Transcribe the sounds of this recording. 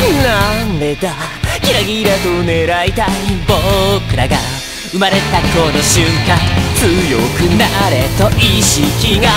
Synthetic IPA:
nand̪ed̪akiɾaɡʲiɾat̪one̞ɾait̪aibokɯ̟ɾaɡa | ɯmaɾe̞t̪akonoɕɨŋkãnt͡sɨjokɯnaɾe̞t̪oʔiɕikʲiŋa

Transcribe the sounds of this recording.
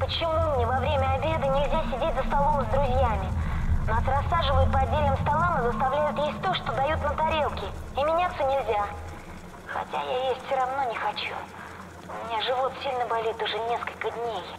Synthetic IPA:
pət͡ɕɪmunʲɪvɐvɾʲemʲəɐbʲe̞d̪ɨnʲɪlʲzʲasʲɪdʲetʲzəst̪ɐlˠo̞mzd̪ɾʊzʲjamʲɪnasrɐsːaʐɨvəjɪt̪̚pəɐdʲːelʲnɨmst̪ɐlˠamɨzəst̪ɐvlʲæjʊt̪jesʲt̚ʲt̪oʂt̪od̪ɐjut̪nət̪ɐɾʲelˠkʲɪɪmʲɪnʲat̪sʲonʲɪlʲzʲa | xɐ̰tʲa̰jajesʲtʲfsʲoɾɐvno̞nʲɪxɐt͡ɕu | ʊmʲɪnʲaʐɨvo̞t̪sʲilʲnɨbɐlʲit̪ʊʐɛnʲe̞skəlʲkəd̪ʲnʲej

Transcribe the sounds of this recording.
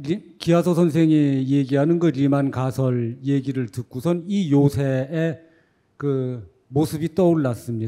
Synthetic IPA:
ikiasʰʌsʰʌnsʰeŋijeɡiɦanɯnɡɯɾimankasʰʌɭjeɡiɾɯɭtɯk͈usʰʌnijosʰeː | kɯ | mosʰɯbit͈ʌuɭːas͈ɯmɲi

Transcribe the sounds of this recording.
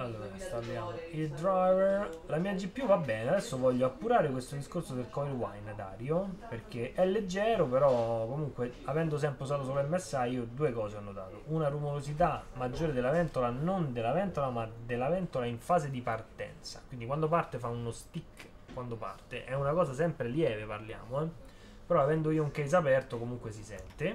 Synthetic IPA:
alːoːɾakist̪abjaːmoild̪ɾajvɛrrlamiad͡ʒːipːjuvabːɛːnead̪ɛsːovɔʎːoapːuɾaːɾekwest̪od̪iskorsod̪elkɔiɾwajnad̪a̰ːɾjoperk̟eʔɛlːed͡ʒːɛːɾopeɾɔkːomuŋkweavɛnd̪os̬ɛmpɾeusaːt̪os̬olɛmːasːaiːod̪uːekɔːzeanːod̪a̰ːt̪oʔunarumoɾozit̪̬amːad͡ʒːoːɾed̪elːavɛnt̪olanond̪elavɛnt̪olamad̪elːavɛnt̪olaiɱfaːzed̪ipart̪ɛ̰nt̪sḁ̰kwind̪ikwand̪opart̪efaunost̪ikː | kwand̪opa̰rt̪ḛʔɛunakɔːzasɛmpɾeljɛːveparlja̰ːmoɛ | peɾɔavɛnd̪oiːouŋkɛjzapɛrt̪okomuŋkwesisɛ̰nt̪e

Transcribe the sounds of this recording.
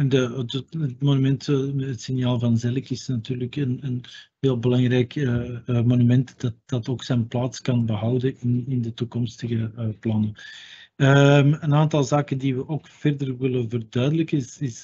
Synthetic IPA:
ɛndədəətmonymɛntətsɪnjaːlˠvɑnzɛləkɪsnɑtyːrləkənənɦeːlˠbəlɑŋrɛjkəmonymɛntd̥ɑt̚d̥ɑtoːksɛjnplaːtskɑnbəɦɑwdənɪnɪndətukɔmstəɣəplɑnə | əmənaːntɑlˠzaːkəndiʋəʔoːkfɛrdərʋɪlənvərdœːdələkəsɪs

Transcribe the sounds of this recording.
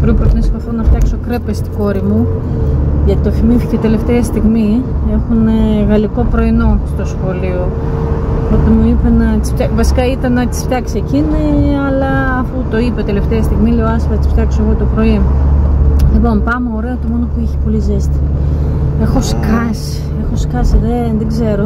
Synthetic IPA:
pɾopɾot̪ineskɐθonɐft̪çɐkso̞kɾe̞pest̪i̥ɡo̞ɾimu | ʝɐt̪it̪ofimificet̪e̞le̞ft̪eɐst̪iɣmie̞xuneɣɐliko̞pɾo̞ino̞st̪o̞sxo̞lio̞ | ot̪imuipenɐt̪i̥sft̪ɐvɐsi̥kɐit̪ɐnɐt̪i̥sft̪çɐksecineɐlɐːfut̪o̞ipet̪e̞le̞ft̪eɐst̪iɣmileoɐsfɐt̪isft̪çɐksoeɣo̞t̪o̞pɾo̞i | lipo̞npɐmeoɾe̞ɐot̪imo̞nopuiçi̥po̞lizest̪i̥ | e̞xo̞skɐsi̥ | e̞xo̞si̥kɐsiðenðeɡze̞ɾo̞

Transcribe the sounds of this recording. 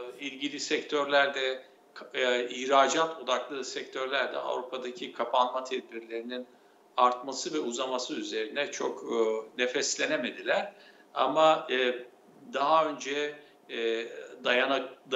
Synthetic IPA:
ilʲɟilʲisɛct̪ʰøɾlʲæɾd̪ɛ | kʰihɾaːd͡ʒat̪ʰo̞d̪aklˠɯːsɛc̚t̪ʰø̞ɾlʲæɾd̪ɛ̰a̰vɾupʰad̪acʰikʰapʰanmat̪ʰɛd̪̚biɾlʲe̞ɾinin | aɾt̪masɯvɛuzamasɯyze̞ɾinɛt͡ʃʰo̞kːnefɛslʲe̞neme̞d̪ilʲæɾ̥ | a̰ma | d̪aɦaø̞nd͡ʒɛ | d̪ajana

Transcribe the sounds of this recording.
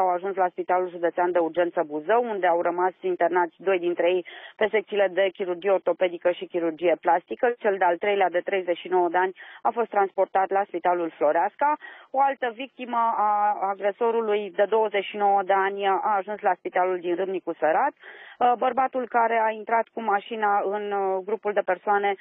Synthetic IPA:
awaʒunslaspit̪alulʒud̪et̪seand̪e̞urd͡ʒe̞nt̪səbuzəwund̪eawrəmasint̪ernat̪sʲd̪o̞jd̪int̪ɾejejpe̞se̞k̚t̪sile̞d̪e̞kʲiɾurd͡ʒije̞o̞rt̪o̞pe̞d̪ikəʃikʲiɾurd͡ʒie̞plast̪ikət͡ʃe̞ld̪ealt̪ɾejlead̪e̞t̪ɾe̞jze̞t͡ʃʃino̞wəd̪eanʲafost̪ɾanspo̞rt̪at̪laspit̪alulflo̞ɾeaskao̞alt̪əvik̚t̪iməaːɡɾe̞so̞ɾulujd̪e̞d̪o̞wəze̞t͡ʃʃino̞wəd̪eanʲaːʒunslaspit̪aluld̪inrɨmnikuseɾat̪bərbat̪ulkaɾe̞aint̪ɾat̪kumaʃinaɨnɡɾupuld̪e̞pe̞rsoane̞

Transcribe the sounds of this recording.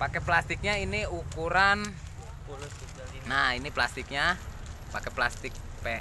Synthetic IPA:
pakɛplast̪ik̚ɲainiukuɾan | nainiplast̪ik̚ɲa | pakɛplast̪ɪk̚pɛ

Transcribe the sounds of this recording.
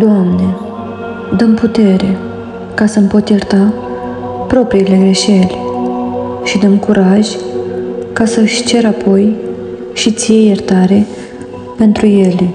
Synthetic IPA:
d̪oamne̞ | d̪əmput̪e̞ɾe̞ | kasəmpo̞t̪jert̪a | pɾo̞pɾiːle̞ɡɾe̞ʃe̞lʲ | ʃid̪əmkuɾʔaʒʲ | kasəɨʃʲt͡ʃe̞ɾapʰo̞j | ʃit̪sijejert̪aɾe̞ | pe̞nt̪ɾuje̞lʲ

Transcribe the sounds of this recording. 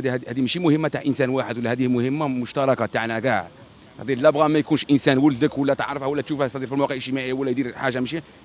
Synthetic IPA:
d̪hæd̪imʃimʊhəmːat̪aʕʔənsænwaħəd̪wəlːæhæd̪ihmʊhəmːamʊʃt̪ɑɾˤɑkat̪aʕnæɡaɾ | t̪ɑd̪ilæbɣɑmæjkunʃʔənsænwəld̪əkwəlːæt̪əʕɾəfhæwəlːæt̪ʃufhæsɑd̪iːɾfilmwɑqəʕəʃt̪əmaʔəjːawəlːæjd̪iɾħaʒːamʃi

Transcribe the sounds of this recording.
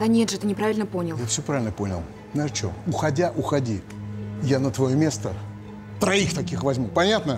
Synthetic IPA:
d̪ɐnʲet̪ʐɨɛt̪ənʲɪpɾavʲɪlʲnəponʲɪlˠjafsʲopɾavʲɪlʲnəpo̞nʲɪ̰lˠ | znaʂt͡ɕo̰ʊxɐdʲaʔʊxɐdʲi | janət̪vɐjomʲe̞st̪ə | t̪ɾɐixt̪ɐkʲixvɐzʲmʲupɐnʲat̪nə

